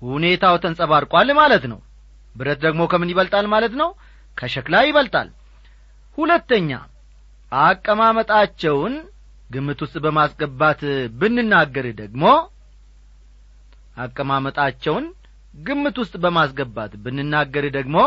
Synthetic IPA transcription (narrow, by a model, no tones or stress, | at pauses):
hune̞t̪ʰawt̪ʰənsʼəβaɾkʼalmalət̪nə̰w | bɨɾət̪̚d̪əɡmo̞kʰəmːɨnjɪβəlt̪ʼalmalət̪nəw | kʰəʃɛklajɪβəlt̪ʼa̰l | hulət̪ːəɲːa̰ | ʔakʼːəmamət̪ʼat͡ʃːɛwn | ɡɨmːɨt̪wʊst̪ʼbəmasɡəbːat̪bɨnːɨnːaɡːəɾɨd̪əɡmo̞ | ʔakʼːəmamət̪ʼat͡ʃːɛwn | ɡɨmːɨt̪wʊst̪ʼbəmasɡəbːat̪bɨnːɨnːaɡːəɾɨd̪əɡmo̞